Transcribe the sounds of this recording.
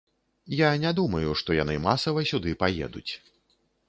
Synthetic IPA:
janʲad̪umɐjuʂt̪ɔjanɨmasɐvɐsʲud̪ɨpajɛ̰d̪ut͡sʲ

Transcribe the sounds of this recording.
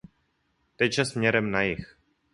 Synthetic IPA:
t̪ɛt͡ʃasmɲɛɾɛmnajix

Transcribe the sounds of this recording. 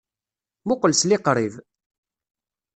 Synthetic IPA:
mʊqəlslɪqɾˤiv

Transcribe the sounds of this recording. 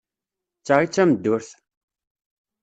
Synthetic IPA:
t͡sːaʁit͡sːæməd̪ːʊɾθ

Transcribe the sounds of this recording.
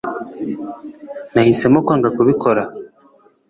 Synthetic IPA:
nahise̞mokaːŋɡakuβiko̞ɾa

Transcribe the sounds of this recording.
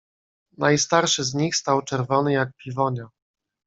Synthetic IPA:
nʔajst̪aɾʂɘzɲixst̪awt͡ʂɛɾvɔnɘjak̚pʲivɔɲa

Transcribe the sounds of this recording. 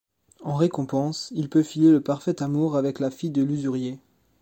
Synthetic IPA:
ɑ̃ʁekɔ̃pɑ̃silpøfijeləpaʁfɛt̪amuʁavɛklafijd̪əlyzyʁje

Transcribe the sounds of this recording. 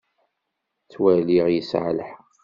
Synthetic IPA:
t͡sːwæliʁjəsʕləħ

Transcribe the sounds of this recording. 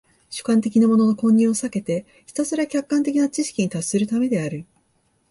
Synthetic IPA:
ɕɨ̥kãnt̪e̞kʲinamo̞no̞no̞kõ̞ɲ̟ːĩo̞sake̞t̪e̞ | çʲi̥t̪asɨɾakʲakːãnt̪e̞kʲinat͡ɕiɕi̥kʲiɲ̟it̪asːɨɾɯ̟t̪ame̞d̪e̞aɾɯ̟

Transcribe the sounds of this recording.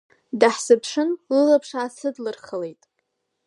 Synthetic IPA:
daħsɨpʰʂɨnlɨlapʰʂaːsɨdlɨrχəlejtʼ

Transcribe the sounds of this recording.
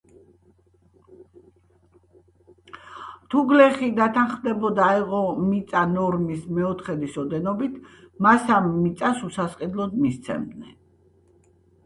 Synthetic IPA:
t̪ʰuɡlɛχid̪at̪ʰanχmd̪ɛbɔd̪aiʁɔmit̪sʼanɔɾmismɛɔt̪ʰχɛd̪isɔd̪ɛnɔbit̪ʰ | masamːit̪sʼasusasqʼid̪lˠɔd̪̚mist̪sʰɛ̰md̪nɛn

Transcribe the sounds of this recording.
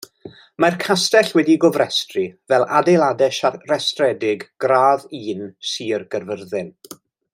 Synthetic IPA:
markʰastɛɬwɛdiɡɔvrɛstrivɛlˠadejlˠadɛʃarɛstrɛdɪɡɡ̥raːðiːnsiːrɡ̥ərvərðɪn

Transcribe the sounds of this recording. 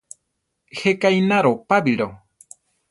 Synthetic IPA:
hekajnaɾopabiɾo

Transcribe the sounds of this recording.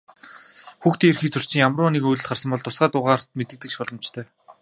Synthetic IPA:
xuxt̪iːerxiːk̚t͡sʰɵr̥t͡ɕɪ̆ŋjamrʊːniːkujɮɘ̆ɮt̪χar̥sə̆mpɔɮt̪ʊsɢaːt̪ʊːʁaːr̥t̪̚met̪ɘ̆kt̪ɘ̆kʃpɔɮɞ̆mt͡ɕt̪ʰœː

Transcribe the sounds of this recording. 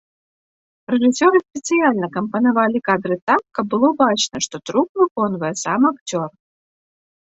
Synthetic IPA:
rɛʐɨsʲɔɾɨsʲpʲɛt̪sɨjalʲnɐkɐmpɐnavalʲikad̪ɾɨt̪akːɐb̚bɨlˠɔbat͡ʂnɐʂt̪ɔt̪ɾuk̚vɨkɔnvɐjɛsamakt͡sʲɔr

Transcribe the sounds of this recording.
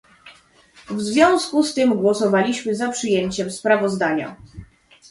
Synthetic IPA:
vzvʲjɔ̃w̃skust̪ɘmɡwɔsɔvalʲiɕmɘzapʂɘjeɲt͡ɕɛmspɾavɔzd̪aɲa̰

